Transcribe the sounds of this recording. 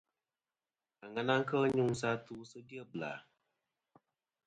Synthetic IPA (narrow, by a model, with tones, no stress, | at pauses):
a˨ŋa˨na˦ŋ˦kə˦ɲu˦ŋ˨sa˦tu˦sə˦di˦ə˦bla̰˨